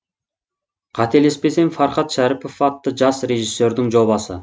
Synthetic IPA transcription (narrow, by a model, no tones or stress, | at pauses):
qʰɑt̪e̞lespe̞se̞nfɑɾχɑt̪ʃæɾɪpofɑt̪ːəʒɑsre̞ʒisːe̞ɾd̪ɪŋʒo̞βɑsə̰